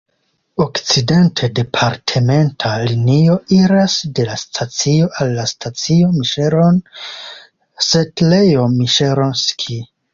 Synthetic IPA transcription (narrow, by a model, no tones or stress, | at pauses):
o̞kt͡side̞ntʰe̞de̞pʰaɾtʰeme̞ntʰalinio̞iɾasde̞lastʰat͡sio̞ʔalːastʰat͡sio̞miʃeɾon | setlejomiʃeɾonskʰi